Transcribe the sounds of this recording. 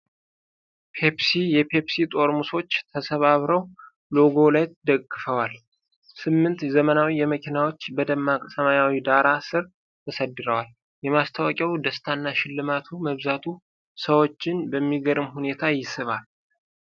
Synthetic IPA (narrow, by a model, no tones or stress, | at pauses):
pʰepsijɛpʰe̞psit̪ʼo̞ɾmuso̞t͡ʃːt̪ʰəsəβaβɾəw | lo̞ɡo̞lajd̪əkʼːɨfəwal | sɨmːɨnt̪zəmənawijɛməkʰinawot͡ʃːbəd̪əmːakʼsəmajawid̪aɾasɨɾ | t̪ʰəsəd̪ːɨɾəwal | jɛmast̪ʰawəkʼjawd̪əst̪ʰanːaʃɪlːɨmat̪ʰuməβzat̪ʰu | səwo̞t͡ʃːɪnbəmːiɡəɾɨmhune̞t̪ʰajɪsɨβal